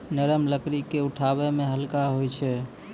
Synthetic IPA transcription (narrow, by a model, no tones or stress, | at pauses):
nəɾəmləkɾikeuʈʰaβɛmeɦəlkaɦojt͡ʃʰɛ